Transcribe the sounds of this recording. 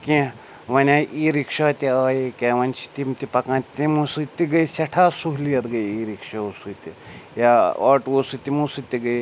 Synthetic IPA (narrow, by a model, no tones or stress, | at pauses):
kʲĩ | ʋɐnʲaːʔiːɾikʃaːt̪iaːjikʲeʋɐnʲt͡ʃʰi̥t̪imt̪ipɐkãːnt̪imusɨt̪iɡɐisʲɐʈʰaːsuɦlijɐt̪ɡɐjiːɾikʃausut̪ijaaːʈosɨt̪imusɨt̪iɡɐj